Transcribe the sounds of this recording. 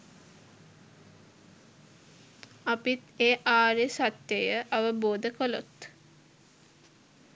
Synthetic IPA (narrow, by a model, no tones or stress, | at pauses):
apit̪eːʔaːɾesat̪jəjəʔaʋəboːd̪əkəlot̪